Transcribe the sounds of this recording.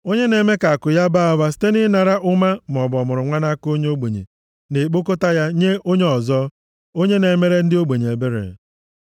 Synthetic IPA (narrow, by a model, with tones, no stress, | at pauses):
o˦ɲe˦ne˨me˦ka˨a˨kʊ˨ja˦ba˦a˨ba˦s̬i̥˦te˦nɪ˦na˨ɾa˦ʔʊ˦ma˦m˨ɔ˨bɔ˨mʊ˨ɾʊ˨ŋʷa˦na˦ko˦ɲe˦o˦ɡ͡be˨ɲḛ˨ | ne˨k͡po˦ko˦ta˦ja˦ɲe˦o˦ɲe˦ɔ˨zɔ˦ | o˦ɲe˦ne˨˦me˦ɾe˦n̩˦dɪ˦o˦ɡ͡be˨ɲe˨e˨be˦ɾḛ˨